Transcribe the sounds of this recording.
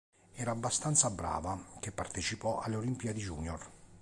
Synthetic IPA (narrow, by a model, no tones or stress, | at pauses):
ɛːɾaːbːast̪ant̪sabɾa̰ːvak̟epːart̪et͡ʃipɔa̰lːeolimpiad̪id͡ʒuːnjɔr